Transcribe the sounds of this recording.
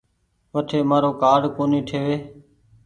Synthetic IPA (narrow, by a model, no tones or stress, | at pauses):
ʋəʈʰeːmaːɾoːkaːɽkoːniːʈʰeːʋeː